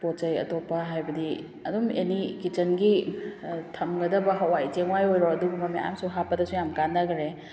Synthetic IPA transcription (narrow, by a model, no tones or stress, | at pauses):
pot͡ʃɐjɐ̰topːɐɦajbɐdi | ɐdumenikit͡ʃɐnɡi | tʰɐmɡɐdɐbɐɦawajteŋwajojɾoɐdubumɐmea̰msuɦapɐdɐsujamkanːɐɡɾe